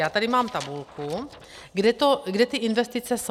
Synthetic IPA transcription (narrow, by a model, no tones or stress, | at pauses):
jaːt̪adimaːmt̪abulku | ɡdɛt̪ɔɡdɛt̪iʔinʋɛst̪it͡sɛs